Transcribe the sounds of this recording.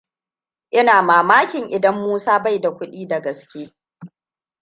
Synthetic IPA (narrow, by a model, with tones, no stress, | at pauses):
ʔɪ˦naː˨maː˨maː˦kʲɪ˨ŋʔɪ˨dɐ˦mːuː˦saː˦ba˦˨jda˨kʷʊ˦ɗiː˦da˨ɡɐ˨skʲeː˦